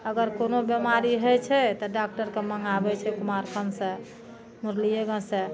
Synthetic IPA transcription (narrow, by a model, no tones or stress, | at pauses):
əɡəɾkonobjemaɾiɦət͡ʃʰɛt̪ɔɖak̚ʈəɾkeməŋɡabɛt͡ʃʰɛkumaɾkʰənsẽ | muɾlijeɡə̃sẽ